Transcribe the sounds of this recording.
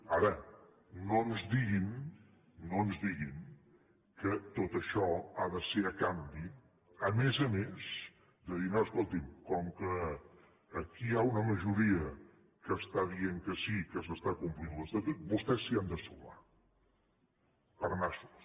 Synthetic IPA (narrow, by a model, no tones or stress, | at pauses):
aɾə | nonzðiɣim | noənzðiɣim | kət̪ot̪əʃɔaðəseɾəkambi | əmezəmez | d̪əðinaəskolˠt̪imkɔmkəː | kiaunəməʒuɾiə | kəːst̪aðieŋkəsikəsəst̪akumplinləst̪at̪ut̪̚bust̪ɛsːiand̪əsuma̰ | pəɾnasu̥s